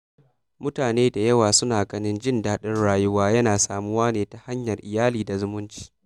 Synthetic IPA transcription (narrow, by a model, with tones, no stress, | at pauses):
mʊ˦taː˨neː˦da˨jɐ˦waː˨sʊ˦naː˨ɡɐ˦nɪ˦nd͡ʒɪ˦ndaː˦ɗɪ˦nɽaː˦jʊ˦waː˦jɐ˦naː˨saː˨mʊ˦waː˦neː˨ta˨ha˦ɲjɐ˨rʔɪ˨jaː˦liː˨da˨zʊ˦mʊ˦nt͡ʃi̥ː˦